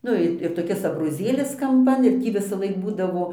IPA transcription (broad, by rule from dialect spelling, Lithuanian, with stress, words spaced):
ˈnʊ ɪ ɪr toːˈkʲɪs ɐbroːˈzʲeːlʲɪs kɐmˈpɐn ɪr ˈtʲiː ʋʲɪsɐˈlˠɐɪk ˈbuːdɐʋoː